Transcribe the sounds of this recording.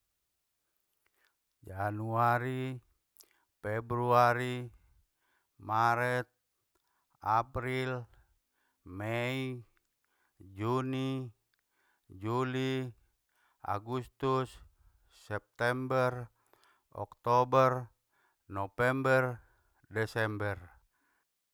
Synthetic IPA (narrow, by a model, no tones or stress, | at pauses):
d͡ʒanuaɾi | pɛbɾuaɾi | maɾɛt̪̚ | apɾil | mɛi | d͡ʒuni | d͡ʒuli | a̰ɡust̪usː | ɛp̚t̪ɛmbɛr | ɔ̰kt̪ɔbɛr | nɔpɛmbɛr | dɛsɛmbɛr